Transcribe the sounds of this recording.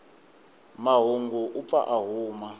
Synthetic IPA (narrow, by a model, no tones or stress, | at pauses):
maɦuŋɡuʔup̪fa̰ʔaɦuːma